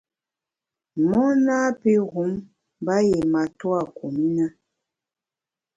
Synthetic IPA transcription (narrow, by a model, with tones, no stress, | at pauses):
mɔ˦na˦pe˦ɣu˨˦m | ba˦je˨ma˨twa˦˨ku˨mi˦na˦